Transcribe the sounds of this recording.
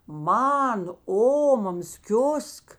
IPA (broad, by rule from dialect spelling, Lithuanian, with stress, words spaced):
ˈmɐn ˈoːmɐmɐs ˈkʲʊsk